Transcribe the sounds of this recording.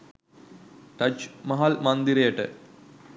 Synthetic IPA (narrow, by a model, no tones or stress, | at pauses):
ʈɐt͡ʃmɐɦalmɐnd̪iɾɐjəʈə̰